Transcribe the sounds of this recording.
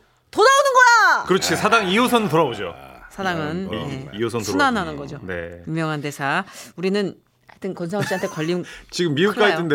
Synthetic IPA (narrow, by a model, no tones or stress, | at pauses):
todaunɯnɡʌnakɯɾʌt͡ɕʰisʰadaŋios̬ʰʌnɯntoɾabod͡ʑo̰sʰadaŋɯnjeiosʰʌnsunanɦanɯnɡʌd͡ʑone̞̰jumjʌŋɦande̞sʰauɾinɯn | aɭt͈ʰɯnkʌnsʰaŋaɕiantʰekʌʎːit͡ɕiɡɯmːiukk͈aitʰende